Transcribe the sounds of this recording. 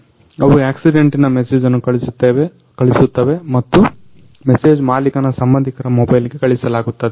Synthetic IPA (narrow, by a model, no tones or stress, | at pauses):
ɐʋuaːksiɖeɳʈinɐmeseːd͡ʒɐnːukɐɭisut̪ːeʋe | kɐɭisut̪ːɐʋemɐt̪ːu | mese̞ːd͡ʒmaːlikɐnɐsɐmbɐnd̪ʱikɐɾɐmɔbɐjliɡe̞kɐɭisɐlaːɡut̪ːɐd̪e